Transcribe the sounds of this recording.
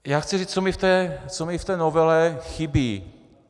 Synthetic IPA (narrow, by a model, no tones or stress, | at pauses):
jaːxt͡sɪriːt͡st͡somɪft̪ɛːt͡somɪft̪ɛːnovɛlɛxɪbiː